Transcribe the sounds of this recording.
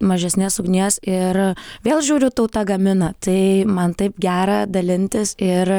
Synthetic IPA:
mɐʒʲɛsʲnʲɛsʊɡnʲeːsɪrʋʲeːlˠʒʲuːɾʲʊt̪ɐʊt̪ɐɡɐmʲɪnɐt̪ɐɪmɐnt̪ɐɪpɡʲæːɾɑd̪ɐlʲɪnʲt̪ʲɪsɪr

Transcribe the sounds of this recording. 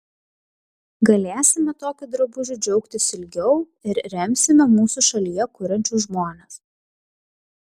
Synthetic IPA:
ɡɐlʲæːsʲɪmʲɛt̪oːkʲʊd̪ɾɐbʊʒʲʊd͡ʒʲɛʊkt̪ʲɪsɪlʲɡʲɛʊ | ɪɾɾʲɛmʲsʲɪmʲɛmuːsuʃɐlʲijɛkʊɾʲɐnʲt͡ʃʲuʒmoːnʲɛs

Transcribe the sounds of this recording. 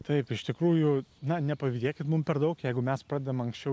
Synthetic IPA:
t̪ɐɪpɪʃt̪ʲɪkɾuːjʊnɐnʲɛpɐʋʲid̪ʲeːkʲɪt̪mʊmpʲɛɾd̪ɐʊkjɛɪɡʊmʲɛspɾɑːd̪ʲed̪ɐmɐŋksʲt͡ʃʲɛʊ

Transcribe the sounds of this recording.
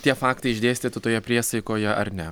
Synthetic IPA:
t̪ʲiɛfɑːkt̪ɐɪɪʒʲd̪ʲeːsʲt̪ʲiːt̪ɪt̪oːjɛpʲɾʲiɛsɐɪkoːjɛʔɐ̰ɾnʲɛ

